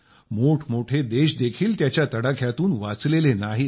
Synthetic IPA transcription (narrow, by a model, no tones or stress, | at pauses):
moʈʰmoʈʰed̪eɕd̪ekʰiːlt̪jat͡ɕjat̪əɽakʰjat̪uːnʋat͡slelenaɦi